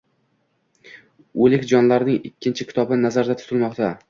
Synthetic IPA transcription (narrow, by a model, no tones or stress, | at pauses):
ɵlɪkʲd͡ʒɒnlaɾnɪŋɪkʲːɪnt͡ʃʰɪkʲʰɪ̥t̪ʰɒbɪnazaɾd̪at̪ʰʊ̥t̪ʰɪlmɒqt̪ʰa